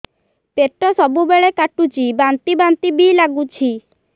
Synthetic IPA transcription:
peʈːɔsɔbubeɭekaʈut͡ɕibant̪ibant̪ibilaɡut͡ɕʰi

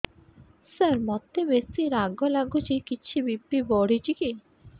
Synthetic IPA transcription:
səɾmɔt̪ebesiɾaɡɔlaɡut͡ʃʰikit͡ʃʰibipibɔɽ̤it͡ʃiki

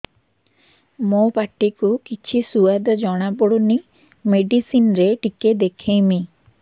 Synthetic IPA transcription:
mopaʈːikukit͡ʃʰisuad̪ɔd͡ʒɔɽ̃abɔɽuni | meɖisinɾeʈiked̪ekʰejmi

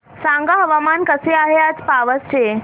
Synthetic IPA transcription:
sãŋɡaɦɐʋamankəseaɦeat͡spaʋəst͡ɕe

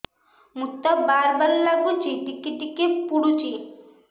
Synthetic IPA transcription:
mukt̪abaɾbaɾlaɡut͡ʃiɖikːiɖikepuɽut͡ɕi

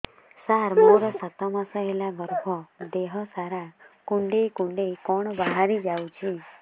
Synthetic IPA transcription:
saɾmoɾɔsat̪ɔmasɔɦelaɡɔɾbʱɔd̪eɦɔsaɾakuɳɖejkuɳɖejkɔɽ̃ɔbaɦaɾid͡ʒawt͡ʃʰi

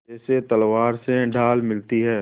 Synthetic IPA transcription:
d͡ʒɛːset̪ɐlwaːɾseɖʱaːlmɪlt̪iɦɛː

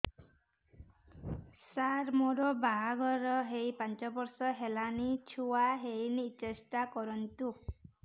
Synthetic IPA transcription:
saɾmoɾɔbaɦaɡɔɾɔɦejpant͡ʃɔbɔɾsɔɦelanit͡ʃʰuwaɦejnit͡ʃesʈakɔɾɔnt̪u

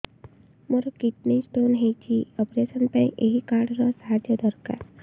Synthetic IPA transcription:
moɾokit̪nisʈoːnɦet͡ʃʰiɔpɾesənpẽʔḛɦikaːɾɖɾɔsɦad͡ʒjəd̪ɔɾka̰ːɾ

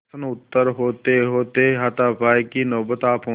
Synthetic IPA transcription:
ənʊt̪ːəɾɦoːt̪eɦoːt̪eɦat̪aːpaːikinɔːbət̪aːpɦõː

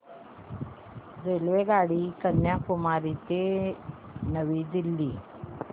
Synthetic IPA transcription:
d͡zelʋeɡaɽiːkənjakumaɾit̪e | nəʋiːd̪ilːi

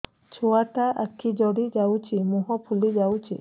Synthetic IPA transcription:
t͡ʃʰoat̪aʔakʰid͡ʒɔɽid͡ʒawt͡ʃʰimuɦɔpʰulid͡ʒawt͡ʃʰḭ

